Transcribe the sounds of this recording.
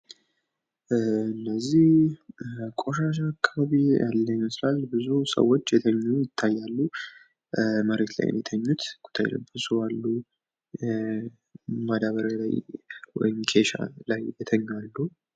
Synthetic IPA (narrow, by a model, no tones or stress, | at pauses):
ɨnːəzːih | kʼoʃaʃ̬aːkʰːaβaβija̰lːəɲːmslalbɨzusə̰wːo̞t͡ʃːjɛt̪ʰəɲːujɪt̪ʰːajːalːu | məɾe̞t̪la̰j̰njɛt̪ʰəɲːut̪ɡ̥ʼu̥t̪ʰːa̰j̰ləbːəsuwalːu | mad̪aβəɾala̰jwɔ̰jɪmkʰe̞ʃa̰lajjɛt̪ʰəɲːalːu